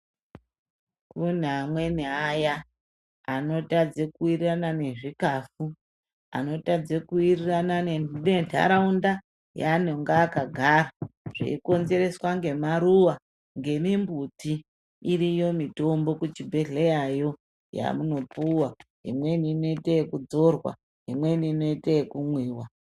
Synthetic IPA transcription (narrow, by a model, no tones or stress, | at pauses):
kun̤amwe̞niajaː | no̞tad͡zekuiriranane̞ʐikafu | a̰no̞tad͡zekuirirananenentʰa̰ɾaunda | janoŋɡaːkaɡʱaɾaʐ̥ḭiko̞nze̞ɾe̞swaŋɡe̞maɾuwa | ŋɡe̞mimbutiː | ɾijo̞mito̞mbo̞kut͡ʃibʱe̞ɮejajo̞ | ja̰muno̞puwaɦḭmwe̞niːno̞itekud͡zo̞rwa̰ | ɦḭmwe̞niːno̞itekumwiːwa